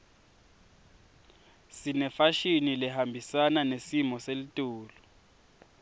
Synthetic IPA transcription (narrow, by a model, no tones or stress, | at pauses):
sinɛfaʃinilɛɦambʱisananesimɔselitʼuːlɔ